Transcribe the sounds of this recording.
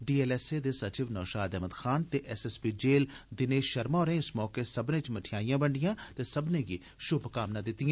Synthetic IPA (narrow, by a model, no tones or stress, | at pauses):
ɖiːeːlɛːseːd̪eːsət͡ʃiːʋnɔːʃaːd̪ɛɦməd̪xʰaːnt̪eːʔɛsɛːspiːd͡ʒeːld̪ɪneːʃʃəɾmaːɾẽːɪsmɔːkeːsəbnẽːt͡ʃməʈʰɪjaːijãːbəɳɖɪjãːt̪eːsəbnẽːɡiː | ʃʊbkaːmnãːd̪ɪt̪ːɪjãː